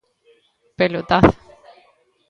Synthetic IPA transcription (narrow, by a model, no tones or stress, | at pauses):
pelot̪aθ